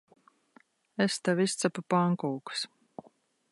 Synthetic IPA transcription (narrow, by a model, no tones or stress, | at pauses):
est̪awist̪sapapaŋkɔːks